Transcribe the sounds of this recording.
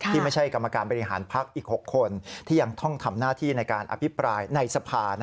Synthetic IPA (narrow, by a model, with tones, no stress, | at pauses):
kʰt̪ʰiː˥˩ma˥˩jt͡ɕʰa˥˩jka˧mːa˧kaː˧nbɔː˧ɾi˦˥ɦaː˩˦npʰa˦˥k̚ʔiː˨˩k̚ho˨˩kʰːo˧nt̪ʰiː˥˩ja˧ŋt̪ʰɔ˥˩ŋt̪ʰa˧mnaː˥˩t̪ʰiː˥˩na˧jkaː˧nʔa̰˧pʰi˦˥pɾaː˧jna˧jsa˧pʰaː˧n˦˥